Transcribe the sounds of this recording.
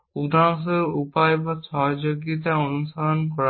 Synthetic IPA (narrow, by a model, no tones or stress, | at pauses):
ud̪ʱans̬oɾupaebaʃɔɦod͡ʒoɡit̪̬aonuʃalonkɔɾ